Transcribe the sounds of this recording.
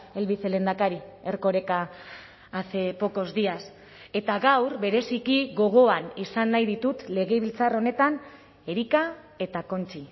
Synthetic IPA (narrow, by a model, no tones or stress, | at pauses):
e̞lβiθele̞nd̪akaɾie̞ɾko̞ɾe̞kaː | θepo̞ko̞zd̪ias | e̞t̪aɣawɾβe̞ɾe̞sikiɣo̞ɣ̞o̞anisanːajðit̪ut̪le̞ɣe̞βilt͡saro̞ne̞t̪an | e̞ɾika | e̞t̪ako̞nt͡ʃi